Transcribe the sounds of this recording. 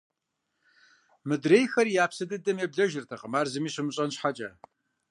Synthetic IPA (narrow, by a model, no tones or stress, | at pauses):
mɨdreːjxɐrijaːpsɨdɨdɐmebɮɐʒɪrtʰɐqəmaːrzɨmiːɕɨmɨɕʼɐnɕħat͡ʃʼɐ